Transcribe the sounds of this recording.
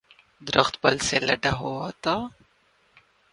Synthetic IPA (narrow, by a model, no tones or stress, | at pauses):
d̪ɾəxt̪bɐlselɐɖaɦoat̪a